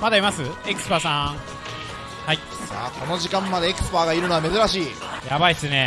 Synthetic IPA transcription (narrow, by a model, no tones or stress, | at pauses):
mad̪aimasɨekɯ̟̥sɨ̥paːsã | hai | sa̰ːko̞no̞ʑikãmːad̪e̞ːkɯ̟̥sɨ̥paːɡaiɾɯno̞ame̞zɨɾaɕiː | jabaisɨne